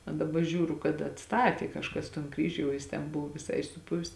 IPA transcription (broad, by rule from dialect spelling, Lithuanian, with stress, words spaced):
ɐ dɐˈbɐ ˈʒʲuːrʊ kɐt ɐtˈstɑːtʲeː kɐʃˈkɐs toːn ˈkrʲiːʒʲʊ jɛʊ ˈjɪs tʲɛn ˈbʊʋoː ʋʲɪˈsɐɪ sʊˈpʊʋʲɪs